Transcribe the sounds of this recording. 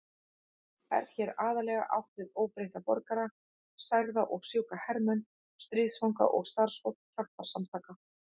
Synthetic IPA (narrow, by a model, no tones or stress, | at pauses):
ɛ̰ɾ̥çɛːɾaːðalɛːɣa̰ʔa̰wht̪ɪðoːwpɾejht̪apɔɾkaɾa | sajɣðaʔɔɣsjowkahɛɾmɛn | st̪ɾiːsfawŋka̰ʔɔɣst̪aɾ̥sfowt̪c̪ʰah̪aɾ̥samt̪ʰaːka